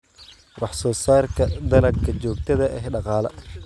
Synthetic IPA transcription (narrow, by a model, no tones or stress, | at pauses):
wɑħsɔːsaːrkʰɐd̪ɐlɐɡkʰɐt͡ʃɔːk̚t̪ʰɐðɐʔɛɦɖɑqɑːlɐ